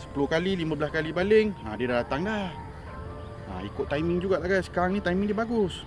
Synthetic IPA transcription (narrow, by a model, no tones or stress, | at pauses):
sə̥pulʊhkalilimãbəlaskalibalɪŋa̰diədalat̪aŋlah | a̰ikʊt̪̚ːajmɪŋd͡ʒuɡaʔlaɡajsə̥kaɾaŋnit̪ajmĩŋdiəbaɡʊs